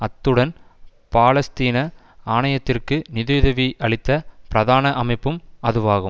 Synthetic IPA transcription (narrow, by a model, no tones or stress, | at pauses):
ɐt̪ːɯɽɐn | paːlɐst̪iːnɐ | aːɳɐjɐt̪ːɪrkɯnɪðɯʋɪðɐʋiʔɐɭɪt̪ːɐpɪɾɐðaːnɐʔɐmɐɪpːɯmɐðɯʋaːɣɯm